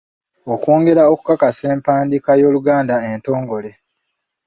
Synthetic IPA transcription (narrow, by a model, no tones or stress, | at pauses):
okoːŋɡe̞ɾaoku̥kakase̞ːmpaːndikajo̞ːluɡaːndaento̞ːŋɡo̞le̞